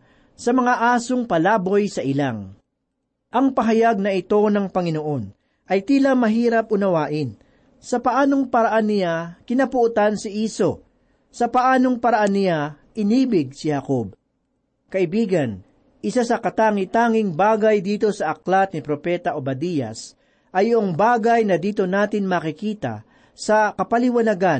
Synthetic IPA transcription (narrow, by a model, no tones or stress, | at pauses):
sɐmɐŋaʔaːsoŋpɐlaːbojsɐʔɪlaŋ | ʔɐŋpɐɦɐjaɡ̚nɐʔɪt̪o̞nɐŋpɐŋɪno̞ʔo̞n | ʔɐjt̪iːlɐmɐɦiːɾɐp̚ʔʊnɐwaːʔɪn | sɐpɐʔaːno̞ŋpɐɾɐʔanːɪjakɪnɐpʊʔʊt̪ansɪʔiːso̞ | sɐpɐʔaːno̞ŋpɐɾɐʔanːɪja | ʔɪniːbɪɡ̚sɪhɐkob̚ | kɐʔɪbiːɡɐn | ʔɪsasɐkɐt̪aːŋɪt̪aːŋɪŋbaːɡajd̪iːt̪o̞sɐʔɐklat̪̚nɪpɾopɛːt̪ɐʔobɐd̪ijɐ̰s | ʔɐjoʔoŋbaːɡajnɐd̪iːt̪o̞naːt̪ɪnmakɪkiːt̪ɐ̰ | sɐkɐpɐlɪwɐnɐɡan